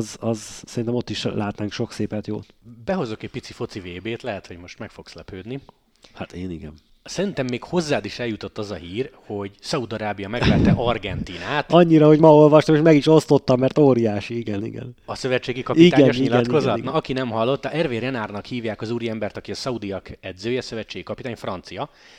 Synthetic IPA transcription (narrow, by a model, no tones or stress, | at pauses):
zɒzsɛɾint̪ɛmo̞t̪ːiʃlaːt̪naːŋkʃo̞kseːpɛt̪jo̰ːbɛɦo̞zo̞kɛc̚pit̪sifo̞t̪siveːbeːt̪lɛɦɛt̪ho̞ɟmo̞ʃt̪mɛkfokslɛpøːd̪ni | hat̪eːniɡɛn | sɛɾint̪ɛmːeːkho̞zːaːd̪iʃɛljut̪o̞t̪ːɒzɒɦiːrho̞ɟsɒud̪ɒɾaːbijɒmɛɡvɛt̪t̪ːɛʔɒrɡɛnt̪iːnaːt̪ɒɲːiɾɒho̞ɟmɒolvɒʃt̪ɒmeːʃmɛɡiʃo̞st̪o̞t̪ːɒmːɛrt̪oːɾijaːʃiiɡɛnḭɡɛ̰nɒsø̞vɛt͡ʃːeːɡikɒiiaːɡɛnɲoʃɲiilɛnko̞zɒt̪nɒɒkinɛmɦɒlːo̞t̪ːɒʔɛrveːrjɛnaːrnɒkhiːvjaːkɒzuːɾiɛmbɛrt̪ɒkiɒsɒud̪ijɒkɛd̪zøːjɛɒsø̞vɛt͡ʃːeːɡikɒpit̪aːɲfrɒnt̪sijɒ